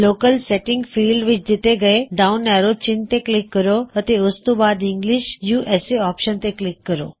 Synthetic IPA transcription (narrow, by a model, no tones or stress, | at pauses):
lokəlsɛʈĩŋɡfiːlɖʋit͡ʃd̪it̪eɡəeɖaunːɛɾot͡ɕint̪eklikːəɾoət̪eəst̪ubad̪iŋɡliɕjuːʔeseɔpʃənt̪eklikːəɾo̰